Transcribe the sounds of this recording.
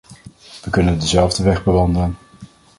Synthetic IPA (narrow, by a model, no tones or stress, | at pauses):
ʋəkɵnəndəzɛlˠvdəʋɛχbəʋɑndələn